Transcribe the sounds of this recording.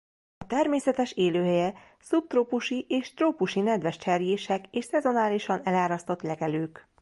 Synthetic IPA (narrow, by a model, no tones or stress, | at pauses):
ɒt̪ɛrmeːsɛt̪ɛʃeːløːɦɛjɛ | sup̚t̪roːpuʃiʔeːʃt̪roːpuʃinɛd̪ʋɛʃt͡ʃɛrjeːʃɛkeːʃsɛzo̞naːliʃɒnɛlaːɾɒst̪o̞t̪lɛɡɛløːk